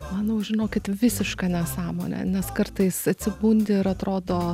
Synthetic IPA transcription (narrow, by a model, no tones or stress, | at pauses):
mɐnɐʒʲɪnoːkʲɪt̪ʋʲɪsʲɪʃkɐnʲɛsɑːmo̰ːnʲɛ̰nʲɛskɐrt̪ɐɪsɐt̪ʲsʲɪbuːnʲd̪ʲɪɪɾɐt̪ɾoːd̪oː